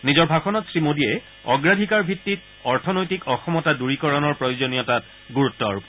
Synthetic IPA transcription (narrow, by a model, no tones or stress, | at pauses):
nizɔɹbʱaxɔnɔtsɹimodiɛ | ɔ̰ɡɹadʱikaɹbʱitːit | ɔɹtʰɔnojtikɔxɔmɔtaduɹikɔɹɔnɔɹpɹɔjozonijɔtat̚ | ɡuɹutːɔɹup